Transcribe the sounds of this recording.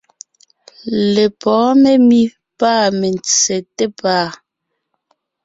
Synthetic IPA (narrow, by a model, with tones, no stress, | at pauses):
le˨pɔː˨˦me˦mi˦ | paː˦˨me˨n˨t͡sɛ˨te˦paː˦˨